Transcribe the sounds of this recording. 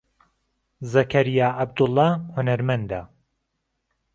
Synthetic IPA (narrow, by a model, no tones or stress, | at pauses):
zɐkʰɐɾijaːʔɐb̚d̪ʊlˠːɑːhʊnɐɾmɐnd̪a